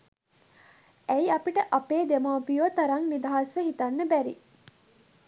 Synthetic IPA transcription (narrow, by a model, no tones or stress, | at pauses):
æiɐpiʈəʔɐpeːd̪emaːpijot̪ɐɾɐŋnid̪ɐɦɐsʋeɦit̪ɐnːəbæɾḭ